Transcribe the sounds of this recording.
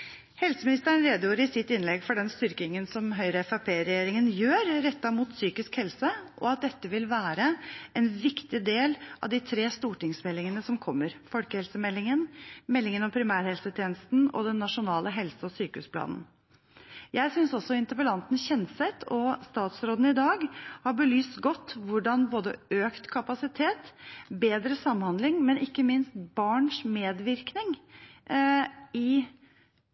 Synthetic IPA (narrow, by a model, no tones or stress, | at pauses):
hɛlsəmɪnɪst̪əəɳɾeːd̪juːɾəɪsɪt̪ːɪnlɛɡfɔɖɛnst̪ʏɾkɪŋənsɔmɦœʏɾəɛfɑpʰeːɾɛjeːɾɪŋənjøːɾɾɛt̪ːɑmuːt̪syːkɪskhɛlsəʔɔ̰ɑt̪̚d̪ɛt̪ːəʋɪlʋæːɾəɛnʋɪkt̪ɪd̪eːlʔɑ̰ʋd̪ɪt̪ʰɾeːst̪uːʈɪŋsmɛlːɪŋənəsɔmkʰɔmːəɾfɔlkəhɛlsəmɛlːɪŋənmɛlːɪŋənɔmpʰɾɪmæːɾhɛlsət̪ʰjeːnəst̪n̩ɔ̰d̪ɛnːɑʂʊnɑːləɦɛlsəɔsyːkəʉ̰ːspʰlɑ̰ːnn | jæɪsʏnsɔsɔɪnt̪əɾpəlɑnt̪nçɛnsɛt̪ʰɔst̪ɑːt̪sɾoːd̪n̩ɪd̪ɑːɡhɑɾbəlyːst̪ɡɔt̪ːʋʊɖɑnboːd̪ə̰øːkt̪kʰɑpɑsɪt̪ʰeːt̪beːd̪ɾəsɑmːhɑnd̪lɪŋmɛnʔɪkːəmɪnst̪bɑːɳʂmeːd̪ʋɪɾknɪŋ | ɪ